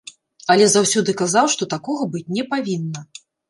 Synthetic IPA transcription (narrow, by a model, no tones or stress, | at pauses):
ɐlʲɛzawsʲɔd̪ɨkazawʂt̪ɔt̪akɔɣɐbɨt͡sʲnʲɛpavʲinːɐ